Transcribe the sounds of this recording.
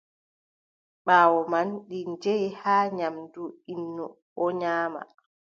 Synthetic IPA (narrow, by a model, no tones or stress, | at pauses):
ɓaːwɔmanɗiɲd͡ʒejhaːɲamduinːu | ɔɲaːma̰